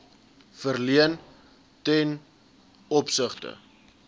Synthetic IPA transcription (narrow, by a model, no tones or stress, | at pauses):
fərliən | tɛn | ɔpsəχtə̰